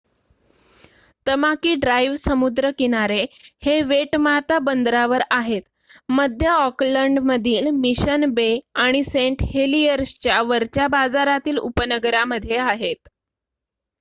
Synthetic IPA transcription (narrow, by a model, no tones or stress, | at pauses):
t̪əmakiːɖɾajʋsəmud̪ɾəkiñaɾeheʋeʈmaɦt̪abənd̪ɾaʋəɾaɦet̪ | məd̪ʱjəɔkləɳɖməd̪ʱiːlmiɕənbeaɽ̃iseɳʈheliəɾst͡ɕjaʋəɾt͡ɕjabad͡zaɾat̪iːlṵpənəɡəɾaməd̪ʱːjeaɦet̪